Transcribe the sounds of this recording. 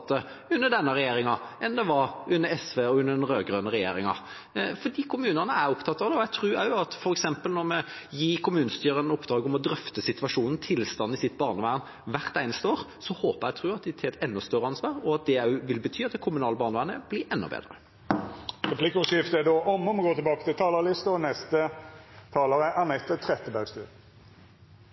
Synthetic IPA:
t̪ːə | ʉnːəɖ̪ɛnːəʁɛjeːɾɪŋɑɛnd̪ɛʋɑɾʉnːəɾɛsʋeːɔʉnːəd̪ɛnɾøːɡʁøːnəɾɛjḛːɾɪŋɑ̰ | fɔɖ̪iːkʰʊmʉːnənəæɾʊpt̪ʰɑt̪ːɑːʋd̪ɛɔæɪt̪ʰɾʉːæɑt̪fɔɾɛksɛmpəlnɔɾmɛ | jiːkʰʊmʉːnəst̪yːʁənəʊpd̪ɾɑːɡəɔmɔd̪ɾœft̪əsɪt̪ʋɑʂuːnn̩t̪ʰɪlst̪ɑn̩ːɪsɪt̪ːbɑːʁnəʋæːʁən | ʋæʁt̪æɪnəst̪əoːʁsɔhoːpəʁæɡt̪ʰʁʉːɑt̪̚d̪ɪt̪ʰɪɛt̪ɛnːɔst̪œʁəɑnsʋɑːʁɔɑt̪̚d̪ɛæʉʋɪlbət̪ʰyːɑt̪̚d̪ɛkʰʊmʉnɑːləbɑːʁnəʋæːʁnəb̥lɪɾɛnːɔ̰bḛːd̪ʁə | ʁɛpʰlɪkʊsɪft̪əæd̪oːʔɔmɔməɡoːt̪ʰɪbɑːkət̪ʰɪlt̪ʰɑːlɑlɪst̪əɔnɛst̪ət̪ʰɑːləʁəʔɑnɛt̪ət̪ʰɾɛt̪əbæɡst̪ʉː

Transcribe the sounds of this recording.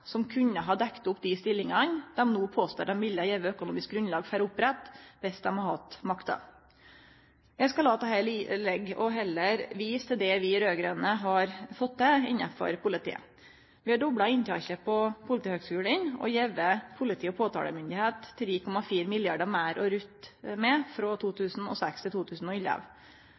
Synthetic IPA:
sɔmkʰʉɲːəɦɑɖ̪ɛkt̪ʊpːd̪ɪst̪ɪlːɪŋɑnd̪ɛmnuːpʰoːst̪o̰ːd̪ɛmʋɪlːɑjɛʋəœkʊnuːmɪsk̚ɡɾʉnlɑːɡfæɾʊpːɾɛt̪ːʋɪsd̪ɛmhɑhɑt̪mɑkt̪ɑ̰ | jæskɑlɑːt̪ɑhæɪlilɛɡɔɦɛlːəɾʋiːst̪ʰɪld̪ɛʋɪɾøːɡɾɛnəɦɑɾfɔt̪̚d̪ɛɪnɑfɔ̰ɾpʊlɪt̪ʰḭːə̰ | ʋɪhɑɖɔbɽɑɪnt̪ʰɑʃəpʰɔpʰʊlɪt̪iːhøːɡskʉːlənɔ̰jɛʋəpʰʊlɪt̪ʰiːɔpʰoːt̪ʰɑ̰ːlə̰mʏnd̪ɪheːt̪ʰːɾiːkʰɔmɑfiːɾmɪljɑɖəmæːɾʔɔɾʉt̪mɛfɾɔt̪ʰuːt̪ʰʉːsn̩ɔ̰sækst̪ʰɪt̪uːt̪ʰʉːsn̩ɔɪlə̰ʋ

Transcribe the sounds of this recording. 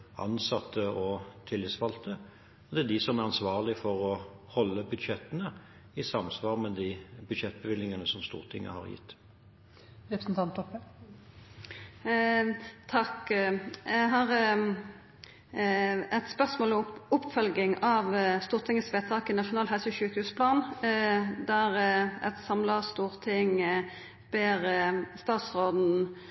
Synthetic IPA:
ɑ̰nsɑt̪ːəɔt̪ʰɪlːɪsʋɑlt̪ə | ɔd̪ɛæd̪ɪsɔmæʁɑnsʋɑːʁlɪfɔʁɔhɔlːəbʉd̪ʃɛt̪ːənə | ɪsɑmsʋɑːʁmɛd̪ibʉd̪ʃɛt̪̚ːbəʋɪlnɪŋɑnəsɔmst̪ṵːɾt̪ʰɪ̰ŋːə̰hɑ̰ɾjɪ̰t̪ː | ɾɛpɾəsn̩t̪ʰɑnt̪ɔp | t̪ʰɑkjæɦɑʁ | ɛt̪spœʁsmoːlʊpːfœlɡɪŋɑʋst̪uːʁt̪ʰɪŋːəsʋeːt̪ʰɑːkɪnɑʂʊnɑːlhɛlsəʃʉːkhʉːspʰlɑːn | d̪æʁɛt̪sɑmləst̪uːʁt̪ʰɪŋ | b̥eːʁəəst̪ɑːt̪sʁoːd̪n̩

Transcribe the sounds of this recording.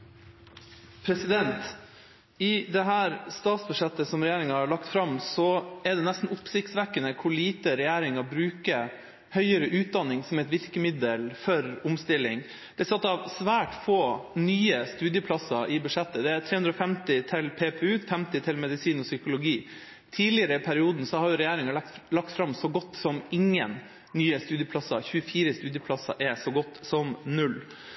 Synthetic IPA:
pʰɾɛsɪd̪ɛnt̪ | ɪd̪ɛɦæːɾst̪ɑːt̪sbʉʂɛt̪ːəsɔmɾɛjæːɾɪŋɑhɑɭɑkt̪fɾɑmsɔɛɖ̪ɛnæst̪n̩ʊpsɪkt̪sʋækːənəkʰʊɭiːt̪əɾɛjæːɾɪŋɑbɾʉːkə | hœʏəɾəʔʉːt̪̚d̪ɑnːɪŋsɔmɛt̪ʋɪɾkəmɪd̪əlfɔɾʊmst̪ɪlːɪŋ | d̪̥ɛsɑt̪ːɑʋsʋæːʈfoːnyːəst̪ʉːd̪jəpʰlɑsɑʔɪbʉʂɛt̪ːəd̪ɛæt̪ʰɾeːʉnd̪ɾɔfɛmt̪ɪt̪ʰɪlpʰeːpʰɛʉːt̪fɛmt̪ɪt̪ʰɪlmɛd̪ɪsiːnɔsʏkʊlʊɡiː | t̪ʰiːlɪəɾəɪpʰæɾɪuːd̪n̩sɔhɑɾjʊɾɛjæːɾɪŋɑlɑk̚t̪fɾɑmsɔɡɔt̪ːsɔmɪŋːənː | yːəst̪ʉːd̪jəpʰlɑsɑçʉəfiːɾəst̪ʉːd̪jəpʰlɑsɑ̰ʔɛsɔɡɔt̪ːsɔmnʉlː

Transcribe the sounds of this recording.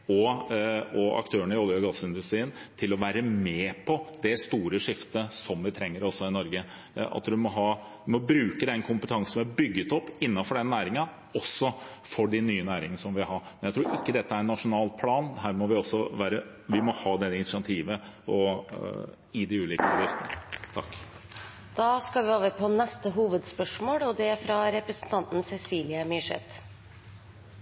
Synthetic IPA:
ɔ | ɔɑ̰kt̪ʰøːəɳəɪɔlːˠjəɡɑsːɪnd̪ʉst̪ɾiːənt̪ʰɪlɔʋæːɾəmeːpʰɔd̪ɛst̪uːɾəʂɪft̪əsɔmʋɪt̪ʰɾɛŋːəɾɔsːɔɪnɔɾɡə | ɑ̰t̪ʋɪmɔɦɑː | mɔbɾʉːkəd̪ɛnkʰʊmpət̪ʰɑŋsn̩ɛbʏɡːət̪ɔpːɪnːɑfɔɖɛnːæːɾɪŋɑ | ɔsːɔfɔɖɪnyːənæːɾɪŋənəsɔmʋɪɦɑɾmɛnjæɪt̪ɾuːɾʔɪkːəd̪ɛt̪ːəæɾnːɑʂʊnɑːlpʰlɑːnd̪ɦæːɾmɔʋɪɔsːɔʋæːɾə | ʋɪmɔhɑːd̪ɛɪnɪsɪɑt̪ʰiːʋə | ɔ | ɪd̪ɪʉːliːkəɑd̪jɪft̪ənət̪ʰɑ̰kː | d̪̥ɑːskɑʋɪoːʋəpʰɔnɛst̪əɦuːʋəd̪spœʂmoːɽɔd̪ɛfɾɑɾɛpɾəsən̩t̪ʰɑnt̪n̩sɛsiːlɪəmɪʂɛ̰t̪ː

